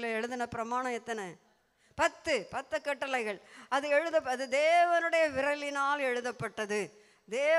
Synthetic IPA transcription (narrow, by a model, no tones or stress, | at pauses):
lɐɛɻɯðɯnɐpɪɾɐmaːnɐ̃mɛt̪ːɐnɐ | pɐt̪ːɯpɐt̪ːɐkːɐʈːɐlɐɪɣɐɭɐðɯɛɻɯðɐpːɐðɯd̪eːʋɐnɯɽɐjɐʋɪɾɐlɪnaːlɛɻɯðɐpːɐʈːɐðɯ | d̪eː